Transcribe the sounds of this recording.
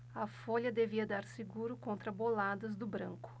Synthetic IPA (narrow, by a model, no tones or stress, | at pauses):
ɐfoʎɐd̪eviɐd̪aɾsiɡuɾʊkõnt̪ɾɐbolad̪ɐzd̪ʊbɾɐ̃ŋkʊ̥